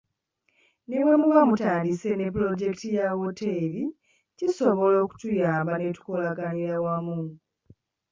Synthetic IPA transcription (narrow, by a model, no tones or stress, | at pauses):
newemuβamutaːndise̞ne̞plo̞ɟe̞ktijawoteβi | ciso̞βo̞lo̞ːku̥tujaːmbane̞tu̥ko̞laɡaniɾawamu